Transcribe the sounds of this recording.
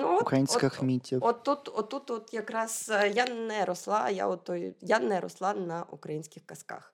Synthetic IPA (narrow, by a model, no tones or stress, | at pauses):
nuɔkɾɐjinʲsʲkɐxmʲitʲːiɔt̪ːut̪ɔt̪ːut̪ɔt̪jɐkɾɑzjanɛɾɔslˠɑja̰ɔt̪ɔj̰janɛɾɔ̰slˠɑnɐʔṵkɾɐjinʲsʲkʲɪxkɐska̰x